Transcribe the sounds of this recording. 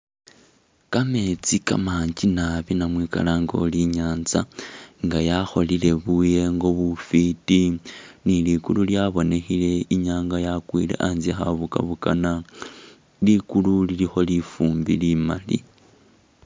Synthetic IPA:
kamet͡sika̰maːɲd͡ʒinaβinamwiːka̰laŋɡo̞̰liɲaːnzaŋɡajaxo̞lile̞βuje̞ŋɡo̞βufitinilikululjaβo̞ne̞xile̞iɲaːŋɡajakwḭːle̞̰ʔaːnzixaβuka̰βukana | likululilixo̞lifuːmbḭlimalḭ

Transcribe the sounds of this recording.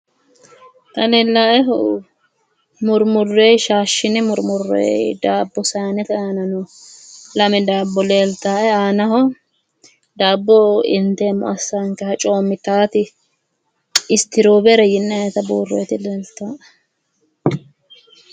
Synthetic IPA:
t̪ɐnɛlaʔɛɦ | mʊɾmʊrːejʃaːʃːɪnɪmʊɾmʊrːḛjd̪aːbːɔsaːnɛt̪ɛaːnɐnɔ | lɐmɛd̪aːbːɔleːlt̪ːaːɛaːnɐhɔ | d̪aːbːɔɪnt̪eːmʊ̰ɐsːaŋkɛhɐt͡ʃʼo̞ːmːɪt̪aːt̪ɪ | ɪst̪ɪɾoːbɛɾɐjɪnːɛnɛt̪ɐbuːrːḛjt̪ɪleːlt̪ːaː

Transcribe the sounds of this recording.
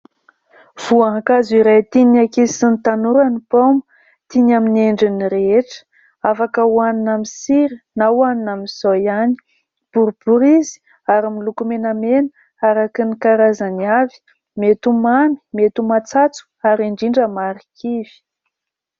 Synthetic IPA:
v̥uaɦãkaziɾajt̪inakiisinit̪anuɾanipomu̥ | t̪iɲamineɳɖ͡ʐiniɾeeʈ͡ʂə̥ | afakəwaninamisiɾinawaninamiz̥ojani̥ | b̥uɾbuɾizi̥ | aɾimilukumenamenə | aɾakinikaɾazaniavi̥ | met̪umami̥met̪umat͡sat͡su̥aɾiɳɖ͡ʐiɳɖ͡ʐəmaɾikʰiv̥i̥

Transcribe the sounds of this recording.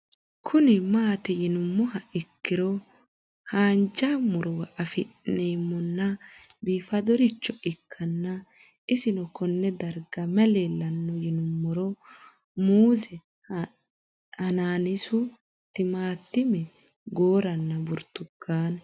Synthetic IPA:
kʰʊnɪmaːt̪ɪjɪnʊmːɔhɐɪkːɪɾɔ | haːnd͡ʒamʊɾɔwɐʔɐfɪneːmːɔnːɐbiːfɐd̪ɔɾɪt͡ʃːɔʔɪkʰːɐnːɐ | ɪsɪnɔkɔnːɛd̪ɐɾɡɐmɛleːlːɐnːɔjɪnʊmːɔɾɔ | muːzɛ | hɐnaːnɪsʊ | t̪ɪmaːt̪ːɪmɛ | ɡoːɾɐnːɐbʊɾt̪ːʊkːaːn

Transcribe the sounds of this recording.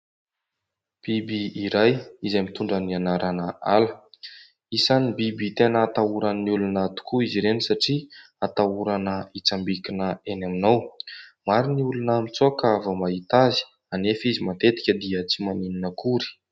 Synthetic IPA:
b̥ibiːɾajizamit̪uɳɖ͡ʐənianaɾʔanəalə | isanibibit̪enəːt̪auɾanniulunat̪u̥kuiziɾenisaʈ͡ʂi | at̪auɾanəit͡sambikinəenaminawmaɾiniulunəmit͡suakavəmaɦit̪azi̥ | anefizimat̪et̪i̥kʲəd̪iət͡simanininəkuɾi̥

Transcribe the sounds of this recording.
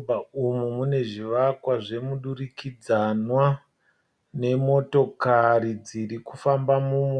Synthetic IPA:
baumumune̞ʐiʋakwaʐe̞muɗuɾikid͡zanwa | ne̞mo̞to̞kaɾid͡ziɾikufambamum

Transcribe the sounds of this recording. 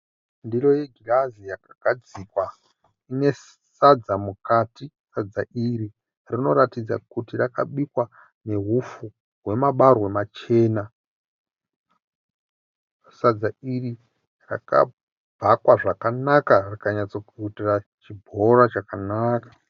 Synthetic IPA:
ndiro̞jeɡʱirazijakaɡ̥ʱad͡zikwa | ine̞ | sad͡zamukati | sad͡zaʔiri | rino̞ɾatid͡za̰kutirakaɓikwa | ne̞ɦufu | ɦwe̞maɓarwe̞mat͡ʃe̞ːna | sad͡zairi | ra̰ka̰ | bʱakwaʐakanakarikaɲat͡sokuitirat͡ʃibʱo̞rat͡ʃakanaːkḁ

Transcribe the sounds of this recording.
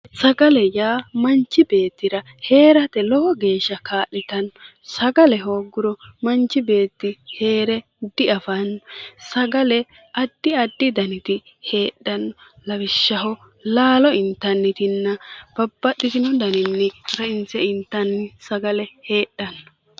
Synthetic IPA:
sɐɡɐlɛjaːmɐnt͡ʃːɪbe̞ːt̪ːɪɾɐ | he̞ːɾɐt̪ɛlɔhɔɡe̞ːʃːɐkaːʔɪt̪ɐn | sɐɡɐlɛɦo̞ːɡʊɾɔmɐnt͡ʃːɪbe̞ːt̪ːɪhe̞ːɾɛ | d̪ɪɐfɐnsɐɡɐlɛ | ɐd̪ːɪɐd̪ːɪd̪ɐnɪt̪ɪ | he̞ːɗːɐnlɐwɪʃːɐɦɔ | laːlɔɪnt̪ːɐnːɪt̪ɪnːɐb̥ɐbːɐɗːɪt̪ɪnɔd̪ɐnɪnːɪɾɐɪnt͡sɛɪnt̪ːɐnːɪsɐɡɐlɛhe̞ːɗːɐn

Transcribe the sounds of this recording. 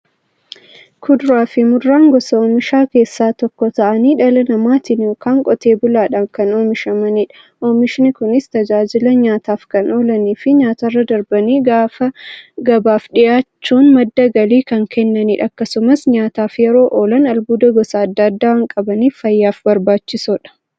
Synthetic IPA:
kʰʊd̪ʊɾaːfɪmʊrːaːŋɡɔsɐoːmɪʃaːke̞ːsːaːt̪ɔkːɔt̪ɐʔɐniːᶑɐlɐnɐmaːt̪ɪnɔkaːŋkʼɔt̪e̞ːbʊlaːᶑaːmkɐnoːmɪʃɐmɐniːᶑɐ̥ | ʔoːmɪʃɪnɪkʊnɪst̪ɐd͡ʒaːd͡ʒɪlɐɲaːt̪aːfkɐnoːlɐniːfɪɲaːt̪ɐrːɐd̪ɐɾbɐniːɡafɐɡɐbaːfᶑɪjaːt͡ʃt͡ʃːuːnmɐd̪ːɐɡɐliːkɐŋkʰɛnːɐniːᶑɐkːɐsʊmɐsɲaːt̪aːfjɛɾo̞ːʔoːlɐnɐlbuːd̪ɐɡɔsɐɐd̪ːɐɐd̪ːaːwɐŋkʼɐbɐniːfːɐjːaːfbɐɾbaːt͡ʃːɪsɔᶑɐ̥

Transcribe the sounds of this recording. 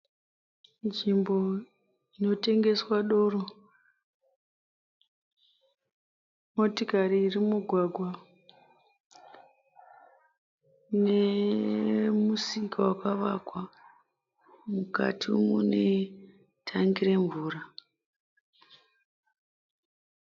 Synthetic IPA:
nd͡ʒimbo̞ | ino̞te̞ŋɡe̞swaɗo̞ːro | mo̞tikariːrimuɡʱwaɡʱwa | ne | musikawakaʋakwa | muka̰tʰimune̞ | tʰaŋɡire̞ɱvuːra

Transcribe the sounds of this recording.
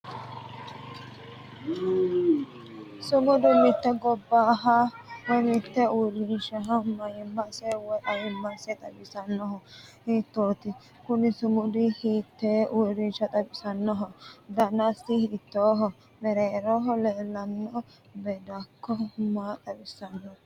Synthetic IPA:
sʊmʊd̪ʊmːɪt̪ːɛɡɔbːaːɦɐwɔjmɪt̪ːɛʊɾɪnʃɐɦɐmɐjɪmːɐsɛwɔjʔɐjɪmːɐsɛt̪ʼɐbɪsɐnːɔhɔhiːt̪ːoːt̪ɪ | kʊnɪsʊmʊd̪ɪhiːt̪ːɛʊɾɪnʃɐt̪ʼɐbɪsɐnːɔɦɔd̪ɐnɐsɪhɪɪt̪ːoːɦɔ | mɛɾeːɾɔɦɔlɛːlːɐnːɔ | bɛd̪ɐkːɔmaːt̪ʼɐbɪsɐnːɔ

